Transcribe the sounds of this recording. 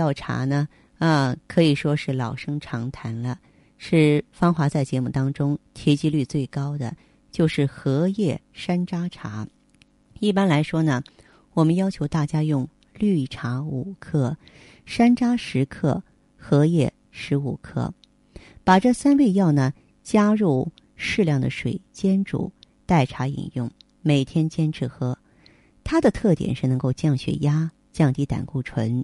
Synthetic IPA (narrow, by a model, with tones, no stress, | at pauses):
ɑ˥˩ʊʈ͡ʂʰa̰˧˥nə˧ | ə˧kʰɤ˧˥i˨˩ʂwɔ˥ʂɻ̩˥˩lɑ˨˩ʊʂɤ˥ŋʈ͡ʂʰɑ˧˥ŋt̪ʰa˧˥nlə˧ | ʂɻ̩˥˩fɑ˥ŋxwa˧˥t͡sa˥˩ɪt͡ɕjɛ˧˥mu˥˩t̪ɑ˥ŋʈ͡ʂʊ˥ŋt̪ʰjɛ˧˥t͡ɕi˥ly˥˧t͡swe˥˩ɪkɑ˥ʊd̪ə̰˨ | t͡ɕjo˥˧ʊʂɻ̩˥˩xɤ˧˥jɛ˥˩ʂa˥nʈ͡ʂa˥ʈ͡ʂʰa̰˧˥ | i˥˩pa˥nla˧˥ɪʂwɔ˥nə˨ | wɔ˨˩mə˦njɑ˥ʊt͡ɕʰjo˧˥ʊt̪a˥˩t͡ɕja˥jʊ˥˧ŋ | ly˥˩ʈ͡ʂʰa˧˥u˨˩kʰɤ˥˩ | ʂa˥nʈ͡ʂa˥ʂɻ̩˧˥kʰɤ̰˥˩ | xɤ˧˥jɛ˥˩ | ʂɻ̩˧˥u˨˩kʰɤ̰˥˩ | pa˨˩ʈ͡ʂɤ˥˩sa˥nwe˥˧ɪjɑ˥˩ʊnə˩ | t͡ɕja˥ɻu˥˩ | ʂɻ̩˥˧ljɑ˥˩ŋd̪ə˩ʂwḛ˨˩ɪt͡ɕjɛ˥nʈ͡ʂṵ˨˩ | t̪a˥˩ɪʈ͡ʂʰa˧˥ḭ˨˩njʊ˥˩ŋ | me˨˩ɪt̪ʰjɛ˥nt͡ɕjɛ˥nʈ͡ʂʰɻ̩˥˩xɤ˥ | t̪ʰa˥d̪ə˨t̪ʰɤ˥˩t̪jɛ̰˨˩nʂɻ̩˥˩nɤ˧˥ŋko˥˧ʊt͡ɕjɑ˥˩ŋɕɥɛ̰˨˩ja˥ | t͡ɕjɑ˥˧ŋt̪i˧˥˩t̪a̰˨˩nku˥˩ʈ͡ʂʰwə˧˥n